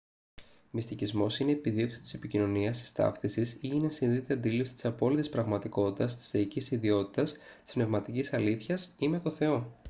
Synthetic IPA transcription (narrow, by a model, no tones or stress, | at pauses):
mist̪icizmo̞sine̞ːpiðio̞ksi̥t̪i̥se̞picino̞niɐsi̥st̪ɐ̰fθisisiinesinθit̪eɐnd̪ilipsi̥t̪i̥sɐpo̞lit̪ispɾɐɣmɐt̪iko̞t̪it̪ɐst̪i̥st̪e̞icisiðio̞t̪i̥t̪ɐs | t̪i̥spne̞vmɐt̪icisɐliθçɐsime̞t̪o̞θe̞o̞